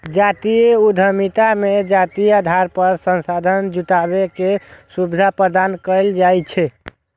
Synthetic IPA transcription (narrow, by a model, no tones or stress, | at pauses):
d͡ʒat̪ieud̪ʱəmit̪amed͡ʒat̪iad̪ʱaɾpəɾsənsad̪ʱənd͡ʒuʈ̪abekesubid̪ʱapɾəd̪ankəɪld͡ʒajt͡ʃʰɛ